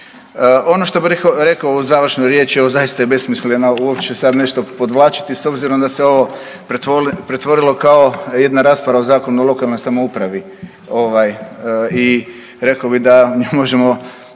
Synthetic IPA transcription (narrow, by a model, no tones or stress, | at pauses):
o̞noʃt̪o̞biɾekaɾe̞kaouzaːʋr̩ʃnojɾje̞ːt͡ʃioʋozajist̪ajebe̞smislʲenouopt͡ʃesad̪ne̞ʃt̪o̞po̞d̪ʋlˠaːt͡ʃi̥t̪iso̞bziɾo̞md̪aseo̞ʋo̞ | p̪pɾet̪ʋo̞ɾilo̞kao̞je̞d̪naɾaːspaɾaozaːko̞nuolˠo̞kalˠno̞jsamoupɾaʋi | o̞ʋaji | ɾe̞kaobid̪auɲixmo̞ʒemo̞